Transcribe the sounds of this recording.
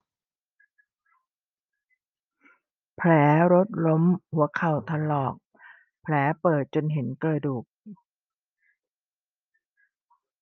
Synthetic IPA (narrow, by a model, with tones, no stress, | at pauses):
pʰlɛː˩˦ɾo˦˥t̪̚lo˦˥mhu˩˦ɐkʰa˨˩wt̪ʰa˧lɔː˨˩k̚ | pʰlɛː˩˦pɤː˨˩t̪̚t͡ɕo˧nɦe˩˦nklɤː˧jduː˨˩k̚